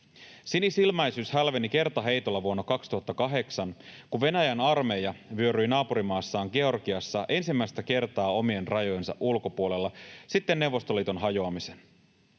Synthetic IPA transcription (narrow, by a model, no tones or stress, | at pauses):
sinisilmɑjsyːshælʋe̞nike̞rt̪ɑɦe̞jt̪o̞lːɑʋuonːɑkɑkst̪uhɑt̪ːɑkɑɦe̞ksɑnkuʋʋe̞næjænɑrme̞jɑʋyøɾyjnɑːpuɾimɑːsːɑːŋɡe̞o̞rɡiɑsːɑʔe̞nsimːæist̪æke̞rt̪ɑːo̞mie̞nrɑjo̞je̞nsɑ̰ʔulko̞puole̞lːɑsit̪ːe̞nːe̞wʋːo̞st̪olːiːt̪o̞nɦɑjoɑmisen